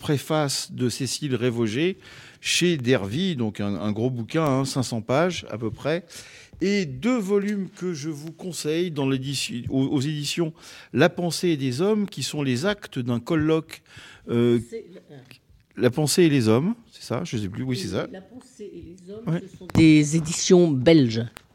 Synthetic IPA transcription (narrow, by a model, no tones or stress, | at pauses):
pχefasd̪əsesilʁevɔʒe | ʃed̪ɛʁvid̪ɔ̃kɛ̃ɛ̰̃ɡʁobukʲɛ̃ɛ̃sɛ̃sɑ̃paʒa̰pøpχɛ | ed̪øvɔlymkəʒəvukɔ̃sɛjd̪ɑ̃led̪isoozed̪isjɔ̃lapɑ̃seːd̪ezɔmkʲisɔ̃lezakt̪əd̪ɛ̃kɔlːɔkø | lapɑ̃seːlezɔmsɛ̥sa̰ʒəs̬ɛplywisɛsa | wid̪̥ezed̪isjɔ̃bɛlʒ